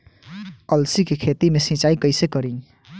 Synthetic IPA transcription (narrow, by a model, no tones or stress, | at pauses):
ʌlsikekʰet̪imesĩt͡ʃaikʌjsekʌɾĩ